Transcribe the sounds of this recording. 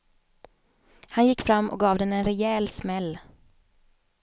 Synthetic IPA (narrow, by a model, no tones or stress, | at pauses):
hanjɪkːfɾamːɔ̰k̚ɡɑːvd̪ɛnɛnɾɛɛːlsmɛlː